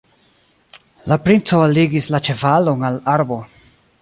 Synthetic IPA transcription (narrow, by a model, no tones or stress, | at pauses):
lapɾint͡so̞aliɡislat͡ʃe̞valo̞nalaɾbo̞